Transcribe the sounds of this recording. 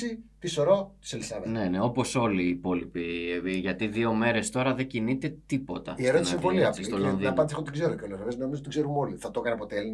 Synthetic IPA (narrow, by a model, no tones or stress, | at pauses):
it̪iso̞ɾo̞t̪u̥selisɐvene̞ne̞o̞po̞so̞liːpo̞lipiʝɐt̪iðio̞me̞ɾe̞st̪o̞ɾɐðe̞ɟinit̪e̞t̪ipo̞t̪ɐ̰ieɾot̪nssepoliɐst̪olonðiɐnpɐnd̪isxot̪iɡzeɾukeolosoɾeznomizot̪iɡzeɾumoliθɐt̪o̞kɐneɐpot̪eli